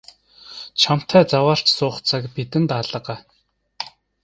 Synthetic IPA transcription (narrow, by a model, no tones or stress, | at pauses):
t͡ɕʰam̥t̪ʰæːt͡sawaːr̥t͡ɕsʊːχt͡sʰakpit̪ɘ̆nt̪aɮə̆ɢæː